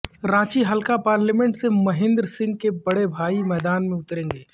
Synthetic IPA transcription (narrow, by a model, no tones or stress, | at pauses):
ɾãːt͡ʃiɦɐlkapaːɾlɛːmɛ̃ɳʈsemɐɦɪ̃nd̪ɾsɪ̃ŋɡ̚kebɐɽebʱaːimɛːd̪aːnmẽʊt̪ɾẽːŋɡeː